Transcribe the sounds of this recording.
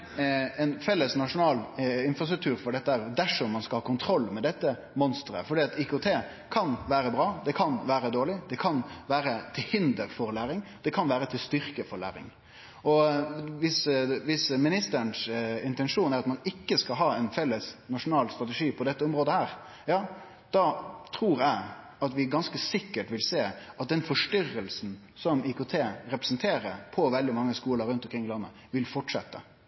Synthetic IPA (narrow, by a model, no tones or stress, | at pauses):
ɛnfɛlːəsnɑʂʊnɑːlɪnfɾɑst̪ɾʉk̚t̪ʰʉːɾfɔɖɛt̪ːəhæːɾd̪æʂɔmːɑnskɑlhɑːkʊnt̪ʰɾɔlːmɛd̪ɛt̪ːə | mɔnst̪ɾə̰fɔɖiːɑt̪ikʊt̪ʰeː | kʰɑnʋæːɾəbɾɑːd̪ɛkʰɑnʋæːɾəd̪oːɭɪd̪ɛkʰɑnʋæːɾət̪ʰɪlhɪnd̪əɾfɔɾlæːɾɪŋd̪̥ɛkʰɑnʋæːɾət̪ʰɪlst̪ʏɾkəfɔɾɭæ̰ːɾɪ̰ŋ | ɔʋɪsʋɪsmɪnɪst̪əɾnsɪnt̪ɛnʂuːnæɾɑt̪mɑnɪkːəskɑlɦɑːɛɪnfɛlːəsnɑʂʊnɑːlst̪ɾɑt̪ɛʂiːpʰɔd̪ɛt̪ːəɔmɾoːd̪əhæːɾ | jɑː | d̪̥ɑt̪ʰɾuːɾæɪ | ɑt̪ʋɪɡɑnskəsɪkːəʈʋɪlseːɑt̪̚d̪ɛnfɔʂʈʏrːəlsn̩ | sɔmiːkʊt̪ʰeːɾɛpɾɛ̥snt̪ʰeːɾəɾpʰɔʋɛld̪ɪmɑŋːəskuːləɾːʉnt̪ɔmkɾɪŋːɪlɑnːə̰ | ʋɪlfɔʈʂɛ̰t̪ːə̰